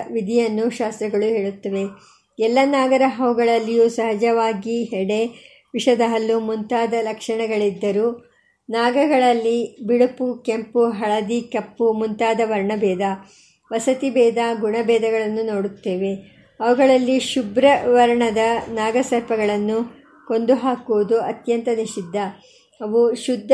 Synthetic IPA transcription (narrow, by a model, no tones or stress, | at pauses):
ʋid̪ʱijɐnːuʃaːst̪ɾɐɡɐɭuɦe̞ːɭut̪ːɐʋe̞ | ɛlːɐnaːɡɐɾɐɦɐʋuɡɐɭɐlːijusɐɦɐd͡ʒɐʋaːɡiɦɛɽe̞ | ʋiʂɐd̪ɐɦɐlːumunt̪aːd̪ɐlɐkʂɐɳɐɡɐɭid̪ːɐɾuː | naːɡɐɡɐɭɐlːibiɽupukempuɦɐɭɐd̪ikɐpːumunt̪aːd̪ɐʋɐɾɳɐbɛːd̪ɐ | ʋɐsɐt̪ibɛːd̪aɡuɳɐbɛːd̪ɐɡɐɭɐnːuno̞ːɽut̪ːe̞ːʋe̞ | ɐʋɐɡɐɭɐlːiʃubɾɐʋɐɾɳɐd̪ɐnaːɡɐsɐɾpɐɡɐɭɐnːu | ko̞nd̪uɦaːkuʋud̪uɐt̪jɐnt̪ɐniʃid̪ʱːɐ | ɐʋuʃud̪ʱː